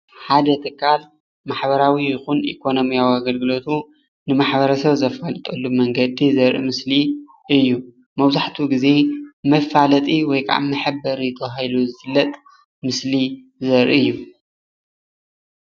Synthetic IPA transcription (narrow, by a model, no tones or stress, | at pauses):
ħad̪ɐt̪ʰɨkːal | maħbɐɾawijɪxunḭkʰo̞no̞mijawiaɡɐlɡɨlo̞t̪ʰu | nɨmaħbɐɾɐsɐβzɐfalɨt̪ʼɐlːumɐŋɡɐd̪izɐɾʔḭmɨsli | ɨjːu | mɐβzaħt̪ʰuɡize̞mɐfalɐt̪ʼiwɔjkʰʼa̰ʕa̰mːɨħɨbɐɾit̪ʰɐajluzɨfɨlːɐt̪ʼ | mɨsli | zɐɾʔḭɨjːu